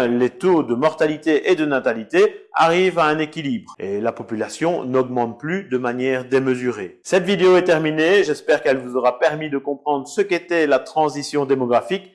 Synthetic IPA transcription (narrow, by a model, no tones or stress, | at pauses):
let̪od̪əmɔʁt̪alit̪eʔed̪ənat̪alit̪ea̰ʁivaɛ̃nekʲilibʁḛlapɔpylasjɔ̃nɔɡmɑ̃t̪̚plyd̪əmanjɛʁd̪eməzyʁesɛt̪vid̪eoɛt̪ɛʁmineʒɛspɛːʁkɛlvuzɔʁapɛʁmid̪əkɔ̃pχɑ̃d̪ʁsəket̪ɛlat̪χɑ̃zisjɔ̃d̪emɔɡʁafik